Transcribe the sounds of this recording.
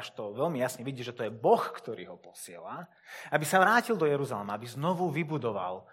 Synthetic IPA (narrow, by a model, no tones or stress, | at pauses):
ʃt̪ɔʋɛlmijasɲɛʋiɟiːʒɛt̪ɔjɛbɔxkt̪ɔɾḭːɦɔpɔ̥sɪɛ̰la | abisaʋɾaːcild̪ɔjɛɾuzalɛmaabiznɔʋuʋibud̪ɔʋa̰l